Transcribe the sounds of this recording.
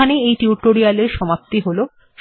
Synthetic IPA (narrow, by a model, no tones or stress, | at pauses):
aneejʈiuʈoɾialeɾʃɔmap̚t̪iɦolo | ʃ